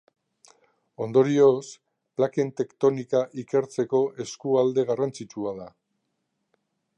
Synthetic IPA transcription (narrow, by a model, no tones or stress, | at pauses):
o̞nd̪o̞ɾio̞s | plake̞nt̪e̞kt̪o̞nikaʔike̞ɾt͡se̞ko̞ʔe̞skuald̪e̞ɣarant͡sit͡ʃuað̞a